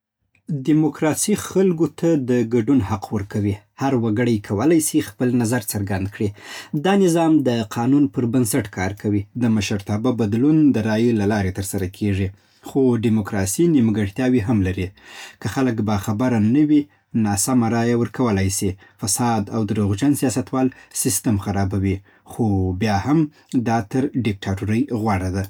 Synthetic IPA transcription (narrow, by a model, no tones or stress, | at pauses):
ɖimokɾɑsixalɡot̪ʰad̪əɡaɖunhaqwəɾkawi | haɾwaɡəɽəjkʰawəlajsixpəlnazaɾt͡səɾɡand̪kɽid̪ɑnɪzɑmd̪əqʰɑnunpəɾbansaʈkʰɑɾkʰawid̪əmaʃaɾt̪ɑbabad̪lund̪əɾɑjəlalɑɾet̪əɾsaɾakʰeʐi | xoɖimokɾɑsiniməɡaɽt̪jɑwiɦamlaɾikəxaləkbaxabaɾanəwi | nɑsamaɾɑjawəɾkawəlajsi | fasɑd̪awd̪ɾoɣd͡ʒansijɑsat̪wɑlsɪst̪amxaɾɑbawi | xobjɑham | d̪ɑt̪əɾɖɪk̚ʈʰɑʈuɾəjɣwaɽad̪a